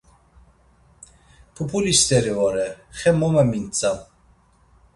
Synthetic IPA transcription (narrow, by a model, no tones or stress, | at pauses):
pʰupʰulist̪ɛɾiɔɾɛχɛmɔmɛmint͡sʼa